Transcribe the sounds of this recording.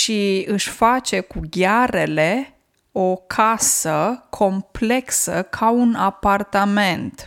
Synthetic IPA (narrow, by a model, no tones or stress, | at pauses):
ʃiɨʃʲfat͡ʃe̞kuɡʲaɾe̞le̞ | o̞kʰasəkʰo̞mple̞ksəkʰaunapart̪ame̞nt̪